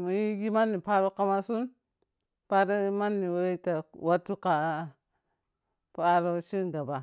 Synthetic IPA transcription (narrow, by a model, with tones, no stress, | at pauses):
mu˨ji˦ɡi˦ma˦nːi˨pa˦ɾo˦ka˦ma˦su˦n | pa˦ɾa˦ma˦nːi˨wa˦ta˨wa˦tːu˦ka˨ | pu˦a˦ɾa˦ʃi˦ɡa˨ba˨